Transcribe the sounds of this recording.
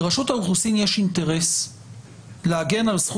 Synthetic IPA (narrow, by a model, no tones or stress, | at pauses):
ʁaʃut̪auχusinjeʃint̪e̞ʁe̞s | leaɡe̞nalsχ